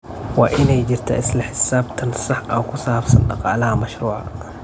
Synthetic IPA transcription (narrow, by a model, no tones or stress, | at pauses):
wa̰ʔɪnɛjd͡ʒɪɾt̪ʰaʔɪslɐħɪsaːbt̪ʰɐnsɑħʔakʊsaːbsɐ̰nɗɑ̰qɑːlɐhamɐʃɾuːʕa̰